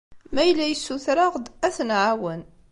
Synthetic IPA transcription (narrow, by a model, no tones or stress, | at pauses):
mæjlːæjəsːuθɾɑʁd̪æθnʕawən